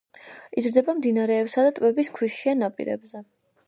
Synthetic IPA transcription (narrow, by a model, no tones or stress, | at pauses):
izɾd̪ɛbamd̪inaɾɛːpsad̪at̪ʼwɛbiskʰwiʃianapʼḭɾɛ̰bzɛ